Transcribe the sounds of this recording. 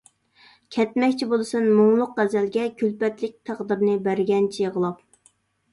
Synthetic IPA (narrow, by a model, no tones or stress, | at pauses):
kʲʰɛt̪̚mɛkʲt͡ʃʰibolˠɨsɨnmoŋlˠʊqːæzælɡʲɛkʲʰylpɛt̪lɪk̚ʲt̪ʰæʁd̪ɨɾnɪbæɾɡʲɛnt͡ʃʰijeʁəlˠɑp̚